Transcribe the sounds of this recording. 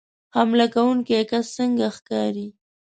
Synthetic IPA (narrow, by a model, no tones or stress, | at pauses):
hamlakawuŋkiekasːəŋɡaxkɑɾi